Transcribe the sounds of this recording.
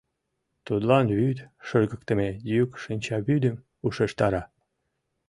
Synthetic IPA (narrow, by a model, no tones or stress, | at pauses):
t̪ud̪lɑnβyd̪ʃəʒɣəkt̪əmejykʃinʲt͡ɕɑβyd̪əm | uʃeʃt̪ɑɾɑ